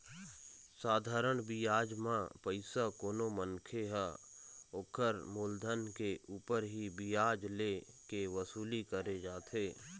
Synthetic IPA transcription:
saːd̪ʱaːɾəɽ̃bijaːd͡ʒmãpəɪsakoːnomənkʰeɦɛ | oːkʰəɾmoːld̪ʱənkeuːpəɾɦibijaːd͡ʒle | keʋəsuːlikəɾed͡ʒaːt̪ʰeː

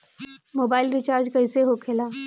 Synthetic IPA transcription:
moːbaːɪlɾɪt͡ʃaːɾd͡ʒkɐɪseɦokʰelaː

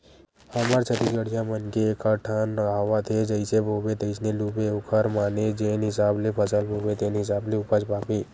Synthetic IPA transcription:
həmaɾt͡ʃʰət̪ikəɽijãmənkeːkʰaʈʰanːəaʋat̪ʰed͡ʒəɪseboʋet̪əɪsnelubeʊkʰəɾmaned͡ʒenɦɪsablepʰəsəlboʋet̪enɦɪs̬ableʊpəd͡ʒpapi

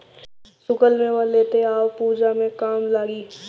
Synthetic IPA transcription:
sʊkəlmẽʋaleːt̪eaːwpuːd͡ʒamẽkaːmlaːɡiː

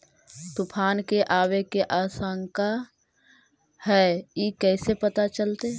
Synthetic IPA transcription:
t̪ʊpʰaːnkeʔaːwekeʔaːsəŋka | hɛːikɛːsepət̪at͡ʃəlt̪e

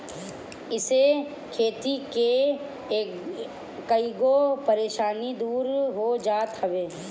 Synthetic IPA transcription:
ɪse | kʰeːt̪ike | kɐiɡopəɾeːʃaːnid̪uːɾɦod͡ʒaːt̪ɦɐʋeː

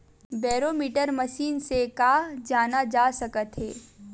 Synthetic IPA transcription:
bɛːɾoːmiʈəɾmɐʃiːnsekaːd͡ʒaːnad͡ʒaːsɐkət̪ɦeː

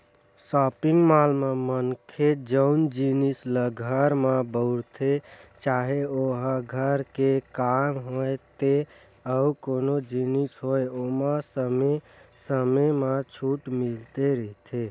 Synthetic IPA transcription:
sɔpiŋɡmalmemənkʰed͡ʒəʊnd͡ʒinisləɡʱəɾmabəʊɾt̪ʰet͡ʃaɦeoɦə̃ɡʱəɾkekamɦojt̪e | əukonod͡ʒinisɦojomasəme | səmemat͡ʃʰuʈmilt̪eɾəɦt̪ʰe

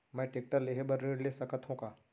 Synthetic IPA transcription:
mɛ̃ːʈeːk̚ʈəɾleɦebɐɾːeːɖlesɐkət̪ɦõkaː

